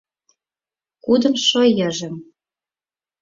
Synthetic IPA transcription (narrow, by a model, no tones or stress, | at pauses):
kud̪ə̆mʃojɤ̆ʒĕm